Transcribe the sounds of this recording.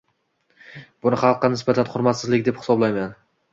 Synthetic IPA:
bʊnɪχɑlˠqːɑnɪsbat̪ʰanχʊɾmat̪sɪzlɪkʲd̪ephɪ̥sɒblˠajman

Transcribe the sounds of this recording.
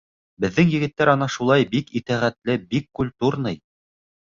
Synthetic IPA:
bɘ̆ðːɘŋjɘ̆ɡɘ̆t̪ːæɾɑnɑʃulˠɑjbikit̪æʁæt̪lɘbikːulʲt̪uɾnɤj

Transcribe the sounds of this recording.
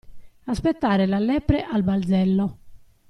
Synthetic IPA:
aspet̪ːaːɾelalːɛːpɾɛʔalbald̪zɛlːo

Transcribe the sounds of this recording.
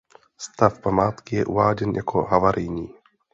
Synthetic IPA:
st̪afpamaːt̪kɪjɛʔuvaːɟɛnja̰kʰoɦavaɾʔɪjɲiː

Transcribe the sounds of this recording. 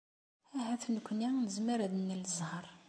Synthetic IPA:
æhæθnəkʷninəzməɾæd̪nːələzˤhəɾˤ

